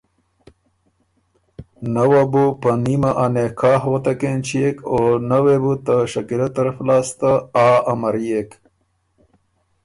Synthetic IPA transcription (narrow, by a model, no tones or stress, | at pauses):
nawabupənimaʔanekʰaːɦwɐt̪akent͡ʃijekonawebut̪əʂɐkilat̪ɐɾəflaːst̪aaːamaɾjek